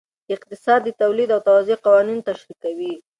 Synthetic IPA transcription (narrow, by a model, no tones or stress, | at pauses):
d̪əɪq̚t̪ɪsɑd̪ːət̪awlid̪awt̪awazoqawɑnint̪aʃɾikawi